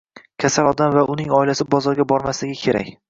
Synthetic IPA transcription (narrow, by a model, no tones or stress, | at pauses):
kʲʰasalɒd̪amvaʔʊnɪŋɒɪlasɪbɒzɒɾɡʲabɒɾmaslɪɡʲɪkʲʰe̞ɾa̰kʲ